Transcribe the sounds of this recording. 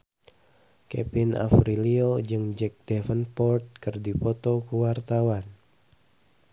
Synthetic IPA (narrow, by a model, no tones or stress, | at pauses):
kɛ̰pina̰fɾiliod͡ʒɨŋd͡ʒɛk̚d̥ɛfənpɔrt̪̚kɨrdipɔt̪ɔkuwart̪awan